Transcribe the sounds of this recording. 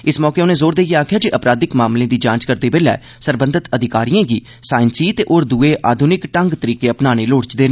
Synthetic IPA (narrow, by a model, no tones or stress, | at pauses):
ɪsmɔːkeːʊnẽːzoːɾd̪eːjeːaːkʰjaːd͡ʒiʔəpɾaːd̪ɪkmaːmlẽːd̪iːd͡ʒãːt͡ʃkəɾd̪eːbeːlɛ̰ː | səɾbə̃nd̪ət̪əd̪ʱɪkaːɾijãːɡiː | saːɪnsiːt̪eːʔoːɾd̪uːeːʔaːd̪ʱʊnɪkʈəŋɡt̪əɾiːkeːəpnaːɽ̃eːloːɽt͡ʃd̪eːnãː